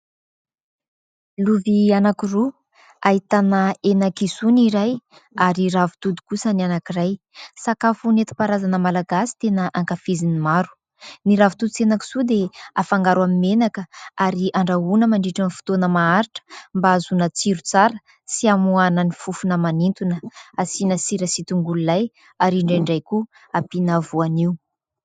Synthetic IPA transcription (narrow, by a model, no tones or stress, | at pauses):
luvianakiru | aɦit̪anəenakisuniɾaj | aɾiɾavu̥t̪ud̪i̥kusənanakiraj | sakafunet̪i̥paɾazanəmalaɡasi̥t̪enəʔaŋkafizinimaɾu̥ | niɾavut̪ud̪it͡senaki̥sud̪eafaŋɡaɾwamimenakəaɾiʔaɳɖ͡ʐaɦunəmaɳɖ͡ʐiʈ͡ʂanifu̥t̪onəmaaɾiʈ͡ʂə̥mbaazunət͡siɾut͡saɾə | siamuanənifufunəmanint̪unəasinəsiɾəsit̪uŋɡululaj | aɾiɳɖ͡ʐajɳɖ͡ʐajku | apinavuaniu